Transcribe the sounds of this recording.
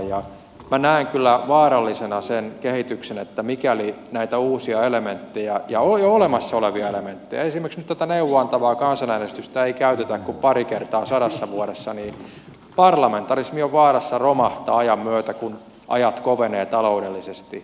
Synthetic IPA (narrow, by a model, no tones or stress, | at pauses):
jɑ | mænæiŋkylːæʋɑːɾɑlːisenɑsenkehit̪yksenet̪ːæmikæli | næit̪æuːsiɑelement̪ːejæjɑojoolemɑsːɑoleʋiɑelement̪ːejɑesimerksnyt̪t̪æt̪æneuwːoɑnt̪ɑʋɑːkɑnsɑnænest̪yst̪æeikæyt̪et̪ækkuppɑɾikert̪ɑːsɑɾɑsːɑʋuoɾesːɑniː | pɑrlɑment̪ːɑrismioʋʋɑːrɑsːɑromɑht̪ɑːɑjɑmmyøt̪ækun | ʔɑ̰jɑt̪koʋeneːt̪ɑloudelːisest̪i